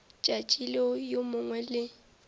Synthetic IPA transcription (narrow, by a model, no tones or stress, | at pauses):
t͡ʃʼat͡ʃʼileʊjomʊŋwɛlɪ